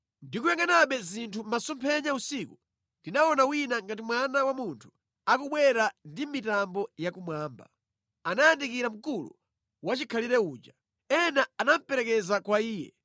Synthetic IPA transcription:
ndikujaŋɡanaɓɛzintʰumasɔmpʰɛɲausiku | ndinaɔnawinaŋɡat̬imwanawamuntʰu̥ | akuɓwɛɾandimitambɔjakumwaːmba̰ | anajandikiɾam̩kulṵ | wat͡ʃikʰaliɾɛuːd͡ʒa | ɛnaanam̩pɛɾɛkɛzakwaiːjɛ̰

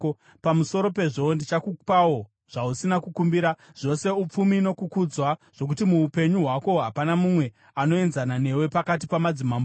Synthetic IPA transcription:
pamuso̞ɾo̞pe̞ʐondit͡ʃakupawo̞ | ʐ̥ausinakukumbiɾaʐ̥o̞se̞up͡fumiːno̞kukud͡zwaʐ̥o̞k̬utimuːpe̞ɲuɦwako̞ɦapanamumwe̞ | ano̞e̞nzanane̞we̞pakat̬ipamad͡zimamo

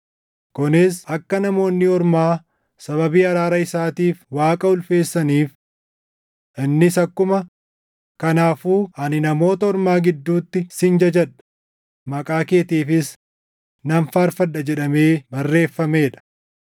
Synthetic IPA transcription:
kʊnɪsɐkːɐnɐmo̞ːnːɪɔɾmaː | sɐβɐbiːɐɾaːɾɐɪsaːt̪iːfwaːkʼɐʊlfe̞ːsːɐniːf | ʔɪnːɪsɐkːʊmɐ | kɐnaːfuːɐnɪnɐmo̞ːt̪ɐɔɾmaːɡɪd̪ːuːt̪ːɪsɪnd͡ʒɐd͡ʒɛᶑɐ̥ | mɐkʼaːke̞ːt̪iːfɪs | nɐnfaːɾfɐᶑːɐd͡ʒɛᶑɐme̞ːbɐrːe̞ːfːɐme̞ːᶑɐ̥

